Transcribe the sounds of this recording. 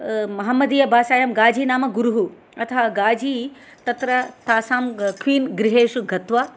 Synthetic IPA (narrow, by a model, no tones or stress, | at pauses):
mɐɦɐmːɐd̪iːjɐbʱaːʃaːjɐmɡaːd͡ʒiːnaːmɐɡuɾuɦu | ɐt̪ʰɐɦɐɡaːd͡ʒʱiːt̪ɐt̪ɾɐt̪aːsaːmkʰʋiːnɡɾɪɦeːʃuɡʱɐt̪ʋɐ